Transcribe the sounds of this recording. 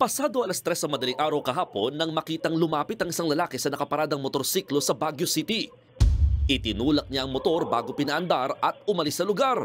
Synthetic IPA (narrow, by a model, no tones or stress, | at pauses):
pɐsaːd̪oʔɐlɐst̪ɾɛsɐŋmɐd̪ɐliŋʔaːɾɐwkɐɦaːpo̞nːɐŋmɐkiːt̪ɐŋlʊmaːpɪt̪ɐŋʔɪsaŋlɐlaːkɛsɐnɐkɐpɐɾaːd̪ɐŋmot̪o̞ɾsiklo̞sɐbaɡjosit̪i | ʔɪt̪ɪnuːlɐk̚ɲaʔɐŋmot̪o̞ɾba̰ːɡo̞pɪnaʔɐnd̪aɾɐt̪̚ʊmɐlɪsɐlʊɡaɾ